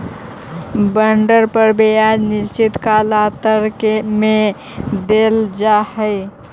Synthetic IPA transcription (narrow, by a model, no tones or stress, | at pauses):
bəɳɖəɾpəɾbead͡ʒniʃt͡ʃit̪kalat̪əɾkeme | d̪eld͡ʒahəɪ